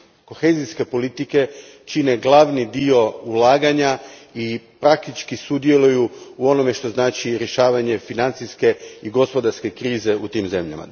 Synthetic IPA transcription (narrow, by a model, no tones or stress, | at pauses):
ko̞xe̞ːziske̞po̞lit̪ike̞ | t͡ʃine̞ɡlˠaːʋnid̪io̞ulˠaːɡaɲaipɾak̚t̪it͡ʃkisud̪je̞lujuuo̞no̞me̞ʃt̪o̞znaːt͡ʃiɾje̞ʃaːʋaɲe̞finant̪siske̞iɡo̞spo̞d̪aɾske̞kɾiːze̞ut̪iːmze̞mʎa̰ma̰